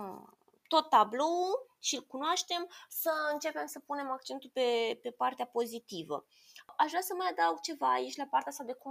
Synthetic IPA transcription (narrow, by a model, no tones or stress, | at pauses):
t̪o̞t̪ːablo̞ulʃilkunoaʃt̪e̞msəɨnt͡ʃe̞pe̞msəpune̞mak̚t͡ʃe̞nt̪ulpe̞pe̞part̪eapo̞zit̪ivə̰ | aʃvɾasəməjad̪awɡ̚t͡ʃe̞vaːit͡ʃʲlapart̪easad̪e̞kum